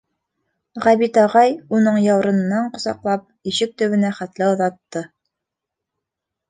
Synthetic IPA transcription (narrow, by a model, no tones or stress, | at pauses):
ʁæβit̪ɑʁɑjunɤɴjɑwɾɤ̆nɤ̆nːɑɴqŏsɑ̰qlˠɑp̚iʃɘk̚t̪ɵ̆βɘ̆næχæt̪lɘŏðɑt̪ːɤ